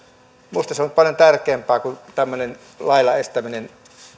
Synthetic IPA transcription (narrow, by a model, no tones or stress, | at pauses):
must̪ɑseont̪pɑljont̪ærkˑeːmpˑæːkunt̪æmːønen | lɑilɑest̪æminen